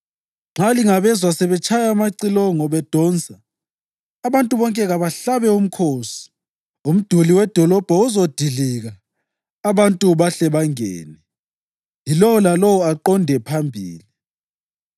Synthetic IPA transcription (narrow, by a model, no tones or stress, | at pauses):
ŋ͡ǁaliŋaβɛzwasɛβɛt͡ʃʰʼajamaǀilɔŋɔβɛd̥ʱɔnd͡zʱaː | βantʼuβɔŋkʼɛɣaβaɬaβɛum̩kʰoːsi̥ | um̩d̥ʱuliwɛd̥ʱɔlɔb̥ʱɔuzod̥ʱiliɣaː | βantʼuβaɬɛβaŋɛːnɛ | ilɔwɔlalɔwɔaǃɔndʱɛpʰambʱiːli